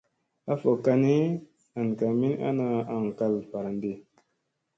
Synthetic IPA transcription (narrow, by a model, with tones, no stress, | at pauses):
a˦fo˨ka˧ne˦ | a˨nka˨mi˦na̰˦na˧a˨ŋ˨ka˧lfa˨ɾnde˨